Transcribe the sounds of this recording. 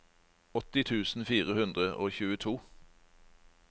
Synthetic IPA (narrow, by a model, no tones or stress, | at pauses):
ɔt̪ɪt̪ʰʉːsn̩fiːʁəhʉnd̪ʁəʔoːçʉːət̪ʰuː